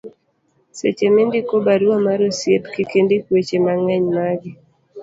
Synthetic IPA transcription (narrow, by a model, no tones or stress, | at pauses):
sḛt͡ʃemendikobaɾuamaɾosjetkikendekwet͡ʃemaŋɛɲmaɡɪ